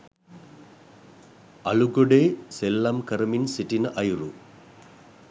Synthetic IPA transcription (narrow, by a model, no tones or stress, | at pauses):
ɐluɡoɖeselːɐmkɐɾminsiʈinɨʔɐjru